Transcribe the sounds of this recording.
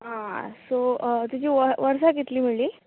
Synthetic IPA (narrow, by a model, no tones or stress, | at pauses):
ɦãsot̪ud͡ʑiːʋəʋəɾsaɡet̪liːmiɭiː